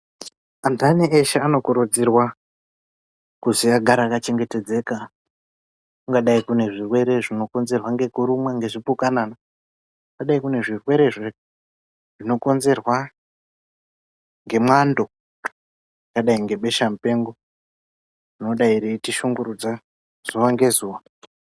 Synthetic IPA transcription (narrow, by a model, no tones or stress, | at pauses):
antʰanieʃaano̞kuɾud͡zirwa | kuziaɡʱaɾakat͡ʃe̞ŋɡe̞te̞d͡ze̞ka | uŋɡaɗaikune̞ʐirwe̞ɾe̞ʐino̞ko̞nze̞rwaŋɡe̞kuɾumwaŋɡe̞ʐipukanana | uŋɡaɗaikune̞ʐirwe̞ɾe̞ʐe | ʐ̥ino̞ko̞nze̞rwa | ŋɡe̞mwando̞ | kaɗaiŋɡe̞ɓe̞ʃam̩pe̞ŋɡo | ino̞ɗaiɾitiʃuŋɡuɾud͡za | z̥uʋaŋɡe̞zuːʋa